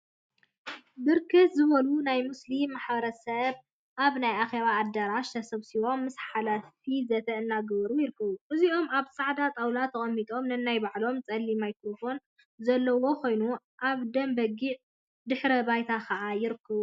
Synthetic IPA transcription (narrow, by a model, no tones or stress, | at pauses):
bɨɾkʰɨt̪zɨβɐlunajmɨslimːaħbɐɾɐsɐβ | ʔaβnajʔaxeβaːd̪ɐɾaʃt̪ʰɐsɐβsiβo̞mːɨsħalafizɐt̪ʰɐʔɨnːaɡβɐɾujɪɾɨkʰːɐβuʔɨziʔo̞maβsʼaʕd̪at̪ʼawlat̪ʰɐkʼɐmːit̪ʼo̞mnɨnːajbaʕlo̞mt͡sʼɐlːimajkɾo̞fo̞n | zɐlːɐwo̞kʰo̞jnu | ʔaβd̪ɐmbɐɡiʔ | d̪ɨħɾɐbajt̪ʰakʰɐʔajɪɾɨkːɐβu